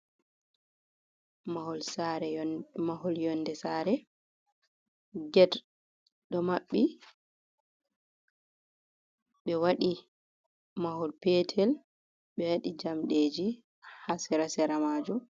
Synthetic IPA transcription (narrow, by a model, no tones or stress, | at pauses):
mahɔlsaɾɛmaɦɔljɔndɛsaːɾɛ | ɡɛd | ɗɔmaɓːi | ɓɛwaɗi | mahɔlpɛtʰɛl | ɓɛwaɗid͡ʒamɗed͡ʒi | hasɛɾasɛɾamaːd͡ʒum